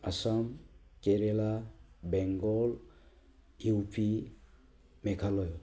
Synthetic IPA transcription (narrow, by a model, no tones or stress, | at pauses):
asamkeɾelabɛŋɡɔl | iupʰi | mekʰalɔjo